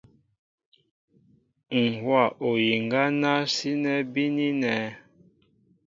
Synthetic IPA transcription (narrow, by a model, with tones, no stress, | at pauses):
ŋ̩˨hwa˦˨ʔo˨ji˨ŋɡa˦na˦si˦nɛ˦bi˦ni˦nɛ˨˦